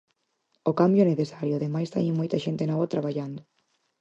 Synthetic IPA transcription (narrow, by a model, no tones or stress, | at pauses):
okambjʊneθesaɾjʊðemajst̪a̰ɲemojt̪ɐʃent̪enɔβat̪ɾaβaʎand̪ʊ